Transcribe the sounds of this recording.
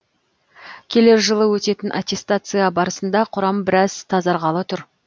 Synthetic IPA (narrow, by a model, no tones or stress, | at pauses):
kʲʰe̞le̞ɾʒəlˠəwɵt̪e̞t̪ɪnʔat̪ʲe̞st̪at̪sɨjabɑɾəsənd̪ɑqʰʊɾɑmbɪɾɑzt̪ʰɑzɑɾʁɑlˠət̪ʰʊɾ